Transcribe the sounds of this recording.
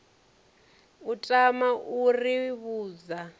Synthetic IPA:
utʼamaʔuriβuːd͡za

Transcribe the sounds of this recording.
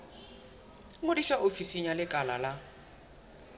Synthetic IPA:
mʊdiʃaofisiɲalɪkʼala̰la

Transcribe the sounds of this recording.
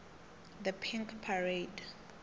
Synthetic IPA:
ðəpʰĩŋkpʰaɹed

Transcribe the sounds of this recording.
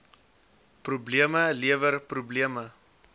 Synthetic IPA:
prubliəməliəvərprubliəmə

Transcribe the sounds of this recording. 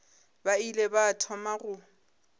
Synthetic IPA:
bailebatʰɔmaɣʊ

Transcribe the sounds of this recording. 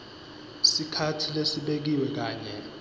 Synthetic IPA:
sikʰatʰilesiɓek̬iwɛk̬aːɲɛ

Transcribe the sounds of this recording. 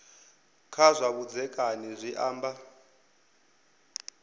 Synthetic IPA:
kʰazʷaβud͡zɛkʼanizʷiʔaːmba

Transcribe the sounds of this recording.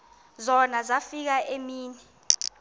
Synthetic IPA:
zɔnazafik̬aʔemiːnɛ

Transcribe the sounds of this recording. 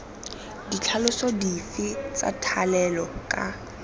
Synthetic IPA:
dit͡ɬʰalʊsɔdifɪt͡sʼa̰tʰalɛlɔkʼa

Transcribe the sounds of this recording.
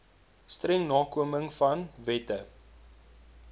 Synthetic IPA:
strɛŋnɑːkuəməŋfɐnvɛtə

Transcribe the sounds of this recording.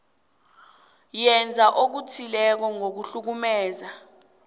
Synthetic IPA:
jɛnd͡zʱaʔok̬utʰilɛk̬ɔŋok̬uɬuk̬umɛːza

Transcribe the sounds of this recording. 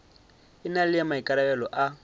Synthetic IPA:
ɪnalɪjamaikʼaɾabɛlɔʔa

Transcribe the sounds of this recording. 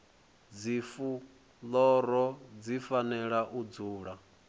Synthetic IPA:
d͡zifu | lɔɾɔd͡zifanɛɺaʔud͡zuːɺa

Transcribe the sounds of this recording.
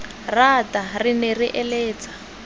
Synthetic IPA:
ratarinɛriʔɛleːt͡sḁ

